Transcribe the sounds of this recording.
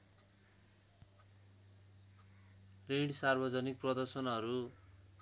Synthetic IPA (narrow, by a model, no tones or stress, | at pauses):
reɽsarbʌd͡zʌnik̚prʌd̪ʌrsʌnɦʌɾu